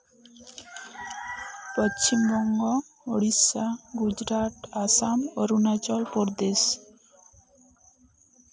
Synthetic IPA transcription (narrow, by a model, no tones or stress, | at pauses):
pɔt͡ʃimbɔŋɡɔ | oɽisaɡud͡ʒɾaʈ̪asamoɾunat͡ʃɔlpɔɾd̪es